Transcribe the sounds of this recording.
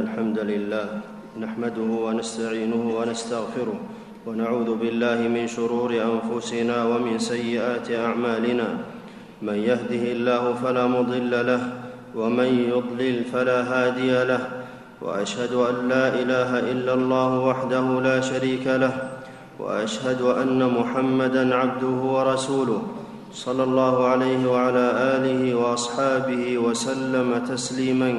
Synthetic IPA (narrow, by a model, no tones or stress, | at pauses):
alħamd̪alɪlːaːh | naħmad̪ʊhʊwanast̪aʕiːnʊhʊwanast̪aɣfɪɾʊh | wanaʕuːðʊbɪlːaːhɪmɪnʃʊɾuːɾɪʔanfʊsɪnaːwamɪnsajːɪʔaːt̪ɪʔaʕmaːlɪnaː | manjahd̪ɪhɪlːaːhʊfalaːmʊd̪ˤɨlːalah | wamanjʊd̪ˤlɪlfalaːɦaːd̪ɪjalah | wa̰ʔaʃhad̪ʊʔanːaːʔɪlaːɦaʔɪlːalˤːɑːhʊwaħd̪ahʊlaːʃaɾiːkalah | wa̰ʔaʃhad̪ʊʔanːamʊħamːad̪anʕab̚d̪ʊhʊwɑɾˤɑsuːlʊh | sˤɑlːɑlˤːɑːhʊʕalajhɪwaʕalaːʔaːlɪhɪwɑʔɑsˤħɑːbɪhɪwasalːamat̪asliːman